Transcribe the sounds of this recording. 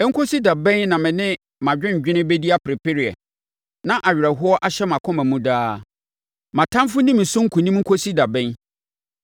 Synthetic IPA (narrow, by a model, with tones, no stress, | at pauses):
ɛ˦ŋ̩˦kʰo˦si˦da˨bɛ̃˦nnã˨mɪ̃˨nɪ̃˦ | mã˨d͡ʑᶣɪ̃˦ɲ̩˨d͡ʑᶣɪ̃˦nɪ̃˦be˦di˦a˦pʰɾɪ˨pɪ˦ɾi˨ɛ̰˨ | nã˦ʔa˨ɥᶣɪ˨ɾɛ˨ɦʊ˦ɔ˦ʔa˦ɕɛ˦mã˨kʰɔ̃˦mæ̃˨mũ˦daː˦ | mã˨tʰã˦mfʊ˦nĩ˦mɪ̃˨sʊ̃˦ŋ̩˦kʰũ˨nĩ˦m˦ŋ̩˦kʰo˦si˦da˨bɛ̃˦n